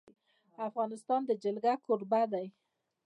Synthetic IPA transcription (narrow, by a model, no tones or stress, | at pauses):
afɣɑnɪst̪ɑnd̪əd͡ʒɪlɡakoɾbad̪aj